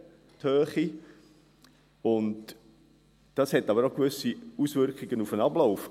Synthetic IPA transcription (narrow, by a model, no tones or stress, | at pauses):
tʰøːχi | ʊnd | d̥ɑshɛtɑbəɾoɡvʏsiusvʏɾkχɪɡənufənɑblaʊf